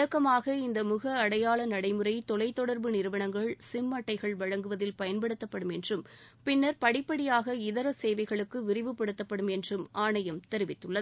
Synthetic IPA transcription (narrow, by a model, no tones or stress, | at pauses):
ɐkːɐmaːɣɐɪnd̪ɐmʊɣɐːɽɐjaːɭɐnɐɽɐɪmɯrɐɪt̪ɔlɐɪt̪ːɔɽɐɾbɯnɪɾɯʋɐɳɐŋɡɐɭsɪmːɐʈːɐɪɣɐɭʋɐɻɐŋɡɯʋɐðɪlpɐjɐnpɐɽɯt̪ːɐpːɐɽɯmɛndrɯmpɪnːɐɾpɐɽɪpːɐɽɪjaːɣɐɪðɐɾɐseːʋɐɪɣɐɭɯkːɯʋɪɾɪʋɯpːɐɽɯt̪ːɐpːɐɽɯmɛndrɯmʔaːɳɐjɐmt̪ɛɾɪʋɪt̪ːɯɭːɐð